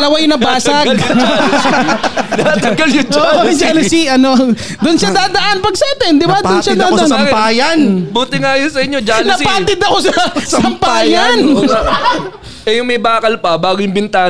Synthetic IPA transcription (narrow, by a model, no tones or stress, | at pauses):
lɐwajʊnɐbaːsɐɡ | t̪ɐɡɐljʊd͡ʒoʔʔod͡ʒaːlʊsiʔɐno | d̪ʊnʃad̪aːd̪ɐʔanpɐɡsaːt̪ɛnd̪ɪbad̪ʊnʃad̪ɐaʔansɐmpaːjɐnbuːt̪ɪŋajonsɐʔɪɲːod͡ʒalnɐpaːt̪ɪd̪ɐko̞sɐsɐmpaːjɐn | ʔɛjʊŋmɐjbaːkɐlpɐbaːɡʊjʊŋbɪnt̪aː